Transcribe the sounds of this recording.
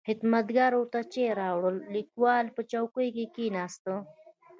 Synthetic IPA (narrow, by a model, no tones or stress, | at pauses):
xɪt̪mɐt̪ɡaɾot̪at͡ʃeɾaːwɽəlːikwaːlpət͡ʃawkojkekinaːst̪ə